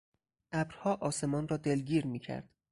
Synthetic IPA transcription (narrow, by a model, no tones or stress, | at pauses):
ʔæbɾhɒːʔɒːse̞mɒːnrɒːd̪e̞lɡiːɾmiːcʰæ̰ɾd̪̥